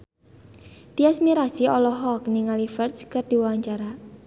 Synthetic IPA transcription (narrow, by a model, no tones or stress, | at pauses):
t̪iasmiɾasiɔlɔɦɔk̚niŋalifɛrt̪skərd̪̥i̤wawaɲt͡ʃaɾa